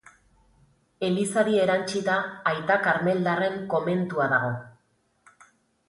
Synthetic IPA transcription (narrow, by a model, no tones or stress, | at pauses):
e̞lisaðie̞ɾant͡ʃit̪aːjt̪akaɾme̞ld̪are̞ŋko̞me̞nt̪uaðaɣ̞o̞